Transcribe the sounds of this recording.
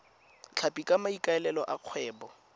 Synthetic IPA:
t͡ɬʰapʼikʼamaikʼaɛlɛlɔʔaq͡χʰwɛːbɔ

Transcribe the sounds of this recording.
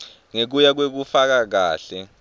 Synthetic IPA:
ŋek̬ujak̬wek̬ufak̬ak̬aːɬɛ

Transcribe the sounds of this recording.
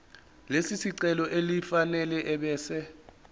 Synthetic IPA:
lesisiǀɛlɔʔelifanɛlɛʔɛɓɛːsɛ

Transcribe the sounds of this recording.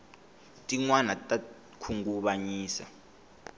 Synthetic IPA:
tʼiŋwanatʼa | kʰuŋɡuɓaɲiːsa̰

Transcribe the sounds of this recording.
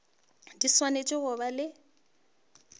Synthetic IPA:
diswanet͡ʃʼɪɣʊβalɪ

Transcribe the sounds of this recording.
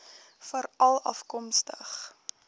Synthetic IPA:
fəɾɐlˠɐ̰fkɔmstəχ

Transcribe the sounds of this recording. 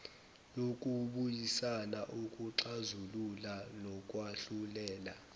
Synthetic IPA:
lok̬ʼuɓujisanaʔokʼuǀazululanɔkʼwaɬulɛːla

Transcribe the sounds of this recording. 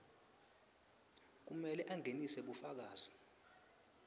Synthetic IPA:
k̬umɛlɛʔaŋʱenisɛɓufak̬aːzi

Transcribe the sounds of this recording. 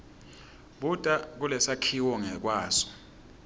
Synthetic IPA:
ɓutʼak̬ulɛsakʰiwɔŋɛk̬waːsɔ̥

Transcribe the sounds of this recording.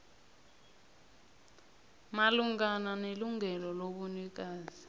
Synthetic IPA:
maluŋɡananeluŋʱɛlɔloɓunik̬aːzi

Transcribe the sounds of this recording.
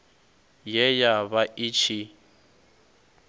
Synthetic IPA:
jɛjaβaʔit͡ʃʰi

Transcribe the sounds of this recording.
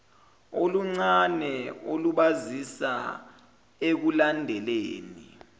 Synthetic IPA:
oluŋ͡ǀanɛoluɓazisa | ek̬ulandʱɛleːnḭ

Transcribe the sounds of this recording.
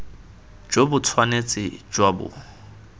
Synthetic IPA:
d͡ʒwobʊt͡sʰwanet͡sʼɪ̰d͡ʒwabʊ̰

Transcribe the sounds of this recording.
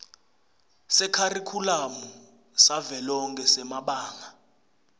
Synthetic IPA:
sɛkʰarikʰulamu | savɛlɔŋkʼɛsɛmaɓaːŋa

